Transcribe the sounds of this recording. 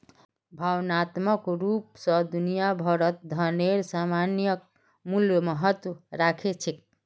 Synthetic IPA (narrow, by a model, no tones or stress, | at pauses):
bʱawnat̪məkɾupsʌd̪unijabʱʌɾət̪̚d̪ʱʌneɾsamanjək̚ | muljmʌɦət̪wəɾakʰet͡ʃʰek̚